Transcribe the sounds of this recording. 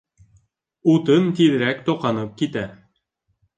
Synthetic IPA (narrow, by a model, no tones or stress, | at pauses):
ut̪ɤnt̪iðɘ̆ɾækt̪oqɑnɤp̚kit̪æ